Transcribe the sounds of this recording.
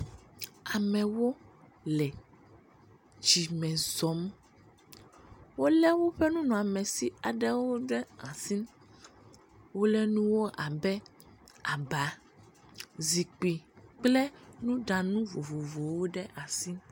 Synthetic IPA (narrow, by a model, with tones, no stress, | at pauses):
a˨mɛ̃˨wo˦ | lɛ˨ | d͡ʒi˨mɛ̃˨zɔ˨m | wo˦lɛ˦wo˦ɸɛ˦nũ˦nɔ̃˨a˨mɛ˨si˦a˨ɖɛ˦wo˦ɖɛ˦a˨si˦n | wo˦lɛ˦nũ˦wo˦ʔa˨bɛ˦ | a˨ba˨ | zi˨k͡pi˨k͡plɛ˦nũ˦ɖa˨nũ˦vo˨vo˨vo˨˦wo˦ɖɛ˦ʔa˨sĩ˦